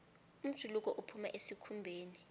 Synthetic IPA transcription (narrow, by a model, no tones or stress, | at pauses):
um̩̥ʒ̥ʱuluk̬ʼɔʔupʰuma̰ʔesikʰumbʱeːni